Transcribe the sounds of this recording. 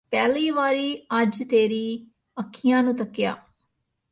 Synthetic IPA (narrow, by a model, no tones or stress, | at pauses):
pɛːliːʋaːɾiːəd͡ʒt̪eːɾiː | əkʰːɪjãːnũːt̪əkja̰ː